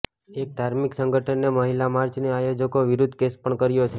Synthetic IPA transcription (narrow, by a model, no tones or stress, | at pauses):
ek̚d̪ʱaɾmiksəŋɡəʈʰənːeməɦilamaɾt͡ʃneajod͡ʒəkoʋiɾʊd̪ʱkespəɳkəɾjot͡ʃʰe